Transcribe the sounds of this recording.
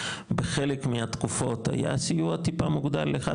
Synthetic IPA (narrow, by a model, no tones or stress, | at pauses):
beχelekmiat̪kufo̞t̪ha̰ja̰sijuat̪ipamuɡd̪alːeχa